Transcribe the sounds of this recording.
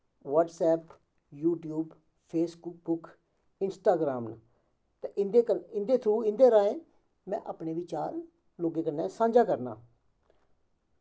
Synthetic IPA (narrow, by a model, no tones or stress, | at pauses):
ʋaːʈsɛːp | juːʈjuːb | pʰeːsbʊk̚bʊk | ɪnsʈaːɡɾaːmna̰ | t̪eʔɪnd̪eːkəɪnd̪eːt̪ʰũːɪnd̪eːɾaːẽː | mɛ̰̃ːʔaːpɳeːʋɪt͡ʃaːɾ | loːɡeːkənːɛːsãːɲd͡ʒaːkəɾna̰ː